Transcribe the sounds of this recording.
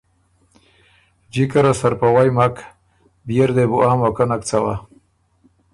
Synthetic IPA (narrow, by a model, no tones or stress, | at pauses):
d͡ʒikaɾasaɾpawajmak | bijeɾd̪ebuʔaːmakanakt͡sawa̰